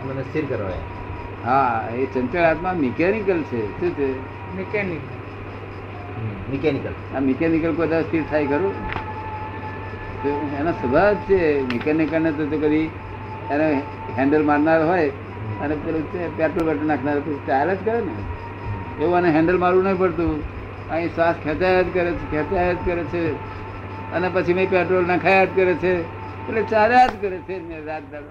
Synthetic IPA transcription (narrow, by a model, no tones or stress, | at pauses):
t̪manest̪ʰiɾkəɾa̰ja̰ | ɦaesəntəlat̪mãmikɛnikəlt͡ʃʰeʃũt͡ʃʰe | mekɛnikəl | mɛkɛnikəl | amikɛnikəlkod̪ast̪ʰiɾt̪ʰajkəɾõ | t̪oenasəbʱat͡ʃʰemikɛnikəɾnet̪̬ot̪okəɾi | ene | ɦɛ̃ɳɖəlmaɾnaɾɦoj | ənepelot͡ʃepɛʈɾolbɛʈənakʰnaɾopət͡ʃʰit͡ʃalat̪kəɾene | eʋũaneɦɛ̃ɳɖəlmaɾũnəĩpəɽt̪ũ | ãĩsʋaskʰet̪ajəd̪kəɾet͡ʃʰekʰɛt̪ajət̪̚kəɾet͡ʃʰe | ənepət͡ʃʰiməipɛʈɾolnakʰajad̪kəɾet͡ʃʰe | pelet͡ʃaɾad̪kəɾet͡ʃʰemeɾɾad̪̚kaɾ